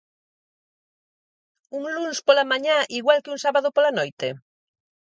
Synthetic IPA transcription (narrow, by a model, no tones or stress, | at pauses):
uŋlunspolamãɲaʔiɣwalkeuŋsaβaðopolanojt̪ḛ